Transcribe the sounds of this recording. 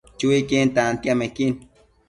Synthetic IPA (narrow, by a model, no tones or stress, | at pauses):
t͡ʃuikent̪ant̪iamekin